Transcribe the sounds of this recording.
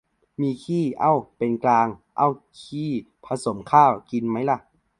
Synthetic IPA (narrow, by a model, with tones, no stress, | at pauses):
miː˧kʰiː˥˩ʔa˧˥˨wpe˨nklaː˧ŋʔa̰˧˩˨w | kʰiː˧˥˩ | pʰa˧so˨˦mkʰaː˥˩wki˨nma˦˥jla˧˥˩ʔ